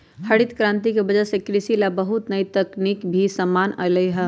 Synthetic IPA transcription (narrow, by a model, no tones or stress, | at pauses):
həɽit̪kɾãːnt̪ikebɐd͡ʒəsekɾɪsilabəɦʊt̪nəit̪ɐknikbʱisəmːaːnələiɦɛ